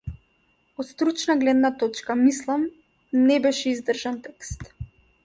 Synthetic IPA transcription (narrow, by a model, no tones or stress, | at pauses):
ɔt̪st̪ɾut͡ʃnaɡlɛd̪nat̪ɔt͡ʃkamislˠam | nɛbɛʃɛizd̪r̩ʒant̪ɛkst̪